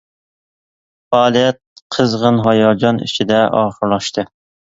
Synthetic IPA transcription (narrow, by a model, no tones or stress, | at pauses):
fɑːlˠijɛt̪̚qʰəzʁənɦɑjɑd͡ʒɑnḭt͡ʃʰid̪ɛʔɑːχəɾlˠɑʃt̪ʰɨ